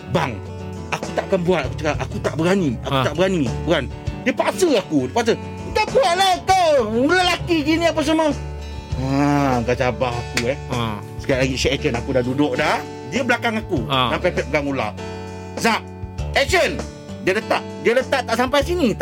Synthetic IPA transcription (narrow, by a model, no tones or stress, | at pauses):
baŋ | akut̪aʔkanbuat̪̚aku̥t͡ʃəkaʔakut̪aʔbəɾania̰kut̪aʔbəɾanipuɾandiəpasəakudiəpas̬ə | t̪aʔkuaʔlakəwulalakiɡinĩapas̬əmə | aɡad͡ʒabahakuɛ | sə̥kiaʔlaɡiʃɛʔɛʔt͡ʃənakudahdudʊʔ̚dah | diəblakaŋakusampapɛt̪̚bəɡaŋula̰ | sa | ɛt͡ʃən | diələt̪aʔdiələt̪aʔt̪aʔsampajsinit̪